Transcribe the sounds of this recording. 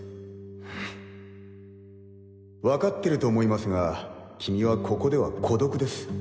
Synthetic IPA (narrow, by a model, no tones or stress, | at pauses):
βakat̪ːe̞ɾɯ̟t̪o̞ːmo̞imasɨŋakʲimʲiβakʰo̞ko̞d̪e̞βakʰo̞d̪o̞kɯ̟d̪e̞sɨ̥